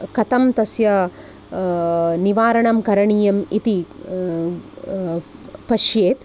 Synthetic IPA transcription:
kɐt̪ɐmt̪ɐsjɐ | niʋaːɾɐɳɐmkɐɾɐɳiːjɐmit̪i | pɐʃjeːt̪

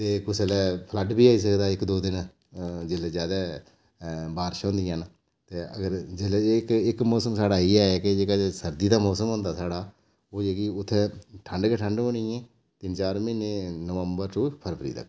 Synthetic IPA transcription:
t̪eːkʊsəlɛːpʰləʈbiːaːiːs̬əkd̪aːɪkd̪oːd̪ɪn | d͡ʒɪleːd͡ʒjaːd̪aː | baːɾʃɔ̃ːnd̪iːãn | t̪eːə̰ɡəɾd͡ʒɪlkɪkmɔːsəmsaːɽaːiːɛːɛked͡ʒeːkaːesəɾd̪iːd̪aːmɔːsəmɦõnd̪aːsaːɽaː | oːd͡ʒeːɡiːʊt̪ʰːeːʈʰəɳɖkeʈʰəɳɖõːɽ̃ĩːɛ̃ː | t̪ɪnt͡ʃaːɾmɪnenəʋəmbəɾʈuːpʰəɾpʰəɾḭːt̪ə̰kː

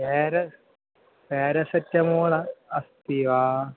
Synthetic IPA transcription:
eːɾɐ | peːɾɐsɐtːɐmuːɭɐɐst̪iʋaː

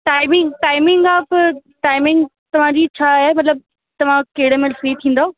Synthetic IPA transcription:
ʈaːɪmɪ̃ŋɡʈaːɪmɪŋɡaːpʈaːɪmɪ̃ŋɡ | t̪ɐʋ̤ãd͡ʑiːt͡ɕʰaːɦemɐt̪ləb̚ | t̪ɐʋ̤ãkeːɪɽəmẽfɾiːt̪ʰĩːn̆d̪aoː

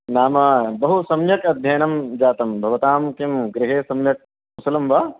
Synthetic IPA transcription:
naːmɐbɐɦusɐmjɐkɐd̪ʱjɐjɐnɐmd͡ʒaːt̪ɐmbʱɐʋɐt̪aːmkɐmɡɾiɦeːsɐmjɐk̚ | usɐlɐmʋɐː

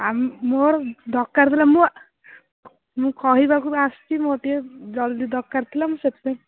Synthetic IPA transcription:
ammoɾd̪ɔkːaɾt̪ʰilamũ | mũkɔɦibakuast̪imoʈied͡ʒɔld̪id̪ɔkːaɾt̪ʰilamũset̪se

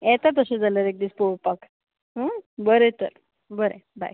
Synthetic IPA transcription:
ɛt̪at̪əsed͡zaləɾek̚d̪iːt͡spoɭpak | ɦə̃bəɾet̪ə̰ɾ | bəɾḛba̰j

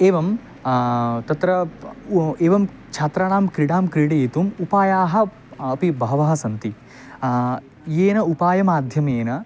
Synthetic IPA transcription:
eːʋɐm | t̪ɐt̪ɾɐ | eːʋɐm | t͡ʃʰaːt̪ɾaːɳaːmkɾiɽaːmkɾiɽɐjːt̪umupaːjaːɦɐ̆ː | pibʱɐɦɐʋɐɦɐsɐnt̪i | jeːnɐupaːjɐmaːd̪ʱjɐmeːnɐ

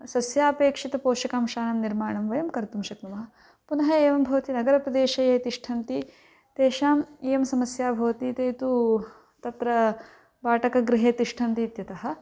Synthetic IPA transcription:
sɐsjaːpeːkʂit̪ɐpoːʃɐkaːmʃaːnɐmniɾmaːɳɐmʋɐjɐmkɐɾt̪umʃɐknɐmɐɦɐ̆ | punɐɦɐeːʋɐmbʱɐʋɐt̪inɐɡɐɾɐpɾɐd̪eːʃɐjeːt̪iʂʈʰɐnt̪i | t̪eːʃaːmeːjɐmsɐmɐsjaːbʱɐʋɐt̪it̪eːt̪u | t̪ɐt̪ɾɐ | baːʈɐkɐɡɾiɦeːt̪iʂʈʰɐnt̪iːt̪jɐt̪ɐɦɐ̆

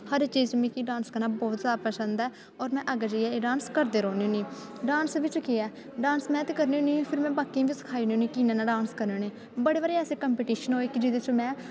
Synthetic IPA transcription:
həɾt͡ʃiːzmĩːkiɖaːnskəɾnaːbɔːt̪zaːd̪apəsənd̪ɛː | ɔːɾmɛ̃ːʔəɡəd͡ʒəɛːeːɖãːnskəɾd̪eːɾoːnːuniː | ɖaːnsʋɪt͡ʃkeɛː | ɖaːnsmɛ̃ːt̪eːkəɾniːʊniːpʰɪɾmɛ̃ːbaːkiãːʋiːsə̥kʰaːiːniːniːkiːnẽːnaːɖaːnskəɾneːneː | bəɽeːʋəːɾeːɛːseːkəmpeːʈiːʃənɦoːeːkɪd͡ʒɪd̪eːt͡ʃõmɛ̃ː

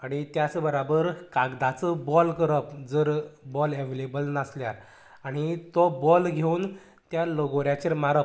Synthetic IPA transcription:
aɽ̃it̪jat͡səbəɾabəɾkaɡd̪at͡səbɔlkəɾəpd͡zəɾbɔleʋ̤elebəlnasljaɾ | aɽ̃it̪ɔbɔlɡʱeun | t̪jaloɡoɾjat͡ɕeɾmaɾə

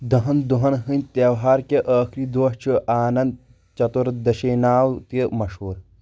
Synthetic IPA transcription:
d̪ɐɦɐnd̪uɦɐnɦɨnʲt̪ɐʋɦaːɾkʲɐʔəːkʰɾiːd̪oːʂt͡ʃʰuʔaːnɐnd̪̚ | t͡ʃɐt̪uɾd̪ɐʃeːnaːwt̪jɐmɐʃɦoːɾ

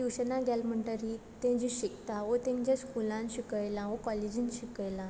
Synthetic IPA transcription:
iwɕənaɡʱjalm̤əɳʈəɾit̪ɛ̃d͡ʑiɕikt̪aʋot̪ẽɲd͡ʑaskulãnɕikəjlãʋokɔled͡ʑinɕikəjlã

